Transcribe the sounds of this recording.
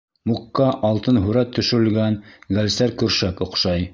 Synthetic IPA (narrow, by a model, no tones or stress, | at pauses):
muqːɑʔɑlˠt̪ɤnɦʉɾæt̪ʰːɵ̆ʃɵ̆ɾɘ̆lɡænɡælsæɾkʉɾʃækŏqʃɑj